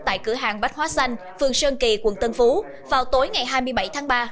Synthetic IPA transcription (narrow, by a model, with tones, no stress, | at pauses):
t̪a̰ː˧˨jkɨ˧˩əɦaː˨˩ŋɓa˦˥t̚hwaː˨˦sa˧jŋ̟ | fɨ˨˩əŋsəː˧ŋki˨˩kwə̰˨˧˩nt̪ə˧nfu˨˦ | vaː˨˩wt̪o˨˦jŋa˨˩jɦaː˧jmɨ˧əjɓa˧˩jt̪ʰaː˨˦ŋɓaː˧